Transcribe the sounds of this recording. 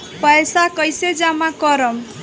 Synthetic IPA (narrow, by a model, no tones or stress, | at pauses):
pʌjsakʌjsed͡zamakʌɾʌm